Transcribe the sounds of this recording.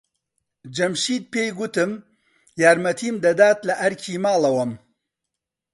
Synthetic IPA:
d͡ʒɐmʃiːt̪̚peːjɡʊt̪ɨm | jaːɾmɐt̪ʰiːmd̪ɐd̪aːt̪lɐʔɐɾkʰiːmaːlˠɐwɐm

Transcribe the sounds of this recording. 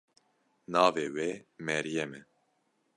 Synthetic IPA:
nɑːveːweːmɛɾijɛmɛ

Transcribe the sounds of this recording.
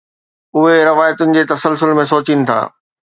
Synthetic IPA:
ʊɦeɾɐʋaːjət̪ʊnɪ̆d͡ʑeːt̪ɐsəlsʊlmẽsoːt͡ɕinɪ̆t̪ʰa̰ː

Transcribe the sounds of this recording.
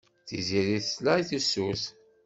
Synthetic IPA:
θiziɾiθslæjθusuθ

